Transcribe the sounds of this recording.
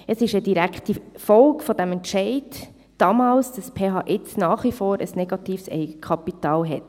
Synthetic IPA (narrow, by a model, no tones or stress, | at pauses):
əsɪʃəd̥iɾæktifɔlkfɔdæmɛntʃɛɪd̥ | d̥ɑːmɑːlsd̥ɑspʰeːɦɑːʔɪt͡snɑːχwifoːɾəsnɛɡ̥ɑtiːfsɛ̰ɪɡəkʰχɑpitɑːlɦɛt